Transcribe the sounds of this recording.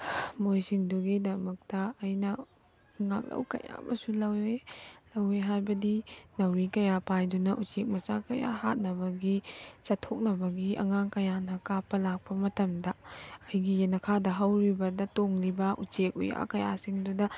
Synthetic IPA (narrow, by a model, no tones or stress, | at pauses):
mojsiŋduɡidɐmɐk̚tɐːjnɐ | ŋa̰k̚lɐ̰wkɐ̰ja̰mɐ̰sulɐwelɐweɦajbɐdinɐwɾikɐjapajdunɐʔut͡ʃek̚mɐsakɐja̰ɦa̰t̚nɐbɐɡisɐtʰok̚nɐbɐɡiʔɐ̰ŋaŋkɐjanɐkapːɐlak̚pɐmɐtɐmdɐɐjɡijenɐkʰadɐɦɐwɾibɐdɐtoŋlibɐʔṵt͡ʃekṵja̰kɐja̰siŋdudɐ